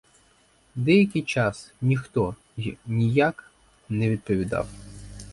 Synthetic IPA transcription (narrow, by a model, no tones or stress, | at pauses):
d̪ɛjɐkʲɪjt͡ʃɑsnʲixt̪ɔ | nʲijak | nɛʋʲid̪̚pɔʋʲid̪ɑ̰w